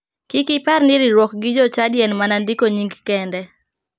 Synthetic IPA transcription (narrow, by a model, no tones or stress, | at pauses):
kɪkɪparnɪɾiɾwɔk̚ɡɪd͡ʒɔt͡ʃadjɛnmanandikoɲiŋɡkɛndɛ